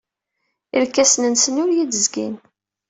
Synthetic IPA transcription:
ilkːæsnənsənʊɾjid̪əzɡḭn

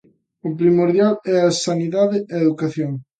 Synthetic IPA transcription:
ʊpɾimoɾðjalɛɐsaniðaðɪeeðukaθjoŋ

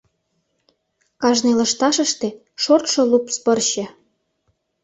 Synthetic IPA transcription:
kɑʒnelɤ̆ʃt̪ɑʃə̆ʃt̪ĕ | ʃort̪ʃŏlupspɤ̆rɕĕ

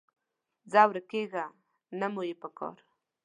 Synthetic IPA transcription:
zawɾəkeɡa | namojepəkɑ̰ɾ

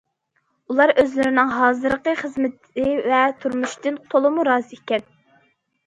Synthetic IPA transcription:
ulˠɑɾøzlɪɾɪnɪŋɦɑːzɨɾqəχəzmɪt̪ʰ | ɪvɛt̪ʰuɾmuʃt̪ɨnt̪ʰolˠɨmuɾɑːzɨekʲɛn

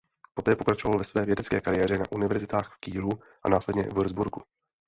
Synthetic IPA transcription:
po̞t̪ɛːpo̞kɾat͡ʃovalvɛsvɛːvjɛdɛt͡skɛ̰ːkaɾɪjɛːɾɛnaʔunɪvɛɾzɪt̪aːxfkiːlu | ʔa̰naːslɛdɲɛ̰vuɾzbuɾɡu

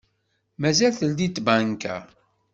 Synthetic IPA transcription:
mæzælθəld̪it̪ːbænkæ̰

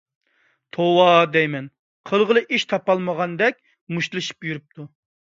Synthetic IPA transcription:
t̪ʰowɑd̪ɛjmɛn | qʰəlˠʁəlˠɨʔiʃt̪ʰɑpɑlˠməʁɑnd̪ɛk̚ʲ | muʃt̪lˠɨʃi̥pjyɾyp̚t̪ʰu

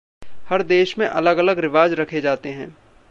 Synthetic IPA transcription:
hɐɾd̪eːʃmẽʔɐləɡɐləɡɾɪʋaːd͡ʒɾɐkʰed͡ʒaːt̪eɦɛ̃ː

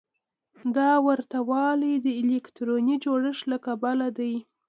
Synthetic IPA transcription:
d̪ɑwaɾt̪awɑlijd̪əɪlekt̪ɾonid͡ʒoɽəʃlakabalad̪aj

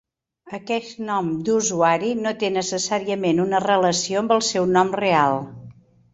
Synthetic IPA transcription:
əkɛst̪nɔmd̪uzuaɾinot̪enəsəsaɾiəmenunərələsioəmbəlˠsɛwnɔmrealˠ

